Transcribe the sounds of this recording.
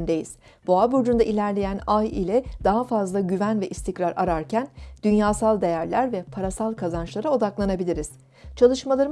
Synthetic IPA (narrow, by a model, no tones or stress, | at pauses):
nd̪ejiz̥ | b̥oabuɾd͡ʒund̪ailʲæɾlʲe̞jænajḭlʲɛd̪̥aɦafazlˠaɟyvænvɛʔist̪ʰicɾaɾa̰ɾaɾcʰænd̪̥ynjaːsalˠd̪e̞jæɾlʲæɾvɛpʰaɾasalˠkʰazant͡ʃlˠaɾao̞d̪aklˠanabilʲiɾiz̥ | t͡ʃʰalˠɯʃmalˠaɾɯ